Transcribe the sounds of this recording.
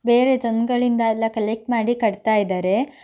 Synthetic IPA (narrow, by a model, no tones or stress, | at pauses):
beːɾe̞d͡ʒɐnɡɐɭind̪ɐɛlːɐkɐlek̚ʈmaːɽikɐɽt̪aːjid̪aːɾe̞